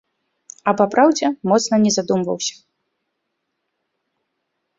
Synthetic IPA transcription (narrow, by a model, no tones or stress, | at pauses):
ɐpapɾawd͡zʲɛmɔt̪snɐnʲɛzad̪umvɐ̰wsʲɐ̥